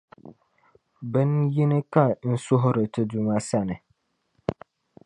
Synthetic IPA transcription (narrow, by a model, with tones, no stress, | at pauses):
bɨ˦nji˦nɨ˦ka˨n̩˦sʊ˦ɦʊ˦ɾɨ˨tɨ˦du˨ma˦sa˦˨nɨ˨